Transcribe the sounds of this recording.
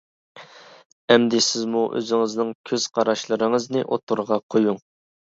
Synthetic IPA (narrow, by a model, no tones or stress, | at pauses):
ɛmd̪ɪsɪzmuʔø̰zɪŋɪznɪŋkʲʰøz̥qʰɑɾɑʃlˠəɾɨŋəznɨʔot̪ʰuɾʁɑqʰojuŋ